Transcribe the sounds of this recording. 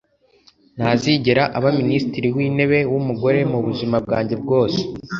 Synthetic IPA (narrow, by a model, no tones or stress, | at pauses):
n̥haːziɟeɾaʔaβaministiɾiwiːne̞βe̞wumuɡo̞ɾe̞muβuʒimab̚ɡaːɲɟe̞b̚ɡo̞ːse̥